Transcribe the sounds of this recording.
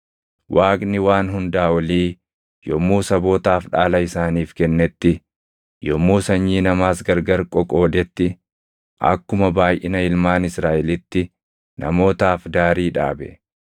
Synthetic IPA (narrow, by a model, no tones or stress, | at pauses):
wʔaːkʼnɪwaːnɦʊnd̪aːwɐliː | jɔmːuːsɐbo̞ːt̪aːfᶑaːlɐɪsaːniːfkɛnːɛt̪ːɪ | jɔmːuːsɐɲːiːnɐmaːsɡɐɾɡɐɾkʼɔkʼoːd̪ɛt̪ːɪ | ʔɐ̰kːʊmɐbaːjʔɪnɐɪlmaːnɪsɾaːʔɛlɪt̪ːɪ | nʔɐ̰mo̞ːt̪aːfd̪aːɾiːᶑa̰ːbɛ̰